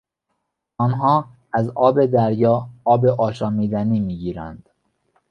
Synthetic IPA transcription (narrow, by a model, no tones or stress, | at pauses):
ɒːnɦɒː | æzɒːbe̞d̪æɾjɒːɒːbe̞ʔɒːʃɒːmiːd̪æniːmiːɟiːɾæ̰nd̪̥